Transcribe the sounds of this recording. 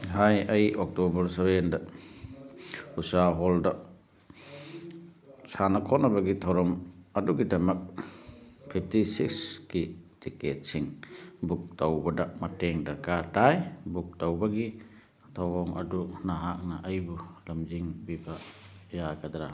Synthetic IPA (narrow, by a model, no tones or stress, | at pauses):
ɦajɐjɔk̚tɔbɐɾsaβenda | usaɦɔlda | sanakʰɔnabaɡitʰawɾɔmaduɡidɐmɐk̚ | pʰip̚ʰtisikskitʰiket̚siŋbuk̚tawbadamateŋdɐɾkaɾtajbuk̚tawbaɡi | tʰawɔŋa̰dunaɦak̚naʔɐjbulamziŋbibajaɡad̪aɾa